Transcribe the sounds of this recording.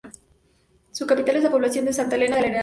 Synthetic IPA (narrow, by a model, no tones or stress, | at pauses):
sukapit̪alezðapo̞βlasjo̞nd̪esant̪alenaðelene